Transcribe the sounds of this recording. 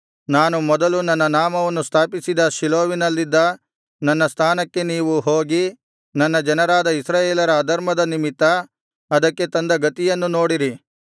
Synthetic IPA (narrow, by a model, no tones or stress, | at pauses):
naːnumɔd̪ɐlunɐnːɐnaːmɐʋɐnːust̪ʰaːpisid̪ɐʃiloːʋinɐlːid̪ːɐ | nɐnːɐst̪ʰaːnɐkːe̞niːʋuɦo̞ːɡi | nɐnːɐd͡ʒɐnɐɾaːd̪ɐisɾaːjeːlɐɾɐːd̪ɐɾmɐd̪ɐnimit̪ːɐ | ɐd̪ɐkːe̞t̪ɐnd̪ɐɡɐt̪ijɐnːuno̞ːɽiɾi